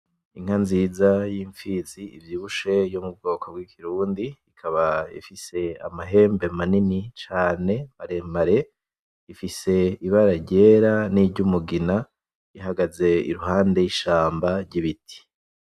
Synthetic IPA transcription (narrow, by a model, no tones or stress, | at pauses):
iŋ̥hanziːzajiːɱfiːziivjiːβuʃe̞jomub̚ɡo̞ːkobɡwikʰiɾuːndiːkʰaβaḭfise̞a̰maɦe̞ːmbe̞maninit͡ʃaːne̞maɾemaɾe̞ | ifise̞iβaɾaɾɟe̞ːɾaniɾɟumuɡina | iɦaɡaze̞ḭɾuɦaːnde̞jiʃaːmbaɾɟiβitʰi̥